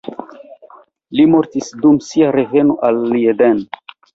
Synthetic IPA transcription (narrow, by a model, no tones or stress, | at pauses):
limo̞ɾtisdumsiaɾe̞ve̞noʔalːieden